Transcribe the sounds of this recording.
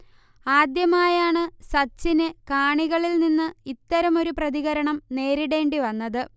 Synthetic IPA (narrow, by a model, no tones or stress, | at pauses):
aːd̪jɐmaːjaːɳɨsɐt͡ɕːinɨkaːɳiɣɐɭilninːɨit̪ːɐɾɐmo̞ɾuprɐðiɣɐɾɐɳɐmne̞ːɾiɽe̞ːɳɖiʋɐnːɐðɨ